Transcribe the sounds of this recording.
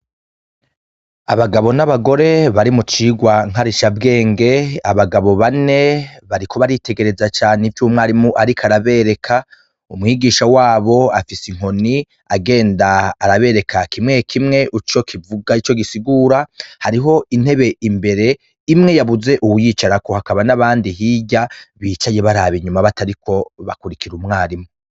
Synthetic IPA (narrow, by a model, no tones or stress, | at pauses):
aβaɡaβo̞naβaɡo̞ɾe̞βaɾimut͡ʃiːɡwaŋ̥haɾiʃabɡe̞ːŋɡe̞aβaɡaβo̞βane̞βaɾikʰo̞βaɾite̞ɡe̞ɾe̞zat͡ʃaːnevjuːmŋaaɾimuʔaɾikʰaɾaβe̞ɾe̞kʰa | umŋiɡiːʃawaːβo̞afisiŋ̥ho̞ni | aɡe̞ːndaːɾaβe̞ːɾe̞kʰakimŋe̞kʰimŋe̞ʔut͡ʃo̞kʰivuɡait͡ʃo̞ɡisiɡuːɾahaɾiɦo̞ʔinhe̞βe̞imbe̞ɾe̞ | imŋe̞jaβuze̞ʔuwujiːt͡ʃaɾako̞hakaβanaβaːndiɦiːɟaβiːt͡ʃaje̞βaɾaβiɲumaβataɾikʰo̞βa̰kuɾikʰiɾumŋaːɾimu